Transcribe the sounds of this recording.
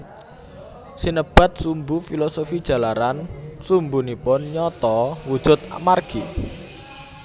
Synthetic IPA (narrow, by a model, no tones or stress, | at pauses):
sinəb̥a̤t̪̚sumbufilɔsofid̥ʒ̥ä̤laɾansumbunipʊnɲɔt̪ɔwud̥ʒ̥ʊ̤t̪̚a̰marɡ̥i